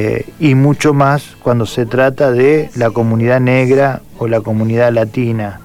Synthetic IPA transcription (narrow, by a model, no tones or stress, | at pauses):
imut͡ʃo̞mas | kwand̪o̞set̪ɾat̪aðelako̞mũniðaneɣɾa | olako̞mũnið̞alat̪ina